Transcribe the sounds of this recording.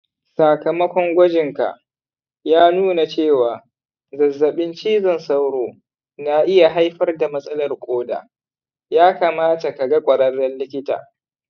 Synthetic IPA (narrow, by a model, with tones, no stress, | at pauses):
sa˨kɐ˨mɐ˦kʷɔ˦ŋɡʷɐ˦d͡ʒɪ˨ŋka̰˨ʔ | jaː˦nuː˦na˨t͡ʃeː˦˨waː˨ | zɐ˨zːɐ˨ɓɪ˦nt͡ʃiː˦zɐ˦nsa˦wɽoː˨ | na˦ʔɪ˦ja˨ɦa˦jɸɐ˦rda˨mɐ˦sʼɐ˦lɐ˨rkʷʼoː˦da̰ː˨ | jaː˦kaː˨maː˦ta˨ka˨ɡa˦kʷʼɐ˨ɾɐ˦ɽːɐ˦nːɪ˦kʲɪ˦ta̰ː˨